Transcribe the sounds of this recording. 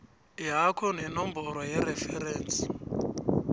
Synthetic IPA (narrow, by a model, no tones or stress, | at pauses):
iɦakʰɔn̤ɛnɔmbɔɾwɔjɛɾɛfɛɾɛːnt͡sʼi̥